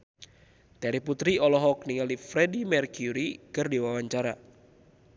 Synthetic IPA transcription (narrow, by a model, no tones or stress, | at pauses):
t̪ɛɾiput̪ɾiɔlɔɦɔk̚niŋalifɾɛdimɛrkuɾikɨrdiwawaɲt͡ʃaɾa